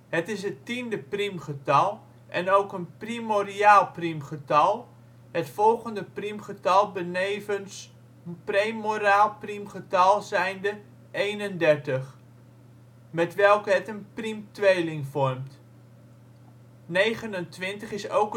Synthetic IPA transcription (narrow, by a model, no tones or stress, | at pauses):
hətɪs̬ətindəprimχətɑlˠ | ʔɛ̰nowkənprimoriaːlˠprimχətɑlˠ | hətfɔlˠχəndəprimχətɑlˠbənevəns | premoɾaːlˠprimχətɑlˠzɛjndə | ejnəndɛrtəχ | mɛtʋɛlˠkəɦətənprimtʋejlɪŋfɔrmt | nejχənəntʋɪntəχɪso̰wkə